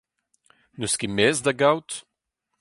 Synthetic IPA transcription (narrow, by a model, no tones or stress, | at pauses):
nuskimɛzd̪aɡawt̪